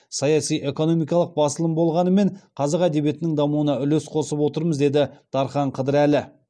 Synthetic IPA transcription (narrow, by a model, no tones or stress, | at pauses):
sɑjɑsijʔe̞ko̞no̞mijkɑlˠəq̚bɑsəlˠəmbo̞lˠʁɑnəme̞ɴqʰɑzɑqæd̪e̞βije̞t̪ɪnɪŋd̪ɑmuənɑʏlesqʰo̞səpwo̞t̪əɾməzd̪e̞d̪ɪd̪̥ɑɾχɑɴqʰəd̪əɾælɪ